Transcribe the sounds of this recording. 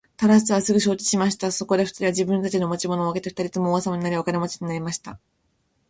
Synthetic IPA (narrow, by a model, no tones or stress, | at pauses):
t̪aɾasɨβasɨɡɯ̟ɕo̞ːt͡ɕi̥ɕimaɕi̥t̪aso̞ko̞d̪e̞ɸɯ̥t̪aɾʲiβaʑibɯ̟̃nt̪at͡ɕino̞mat͡ɕimo̞no̞ake̞t̪eɸt̪aɾʲit̪omoːasamaɲ̟inaɾʲiβakanemot͡ɕi̥ɲ̟inaɾʲimaɕi̥t̪a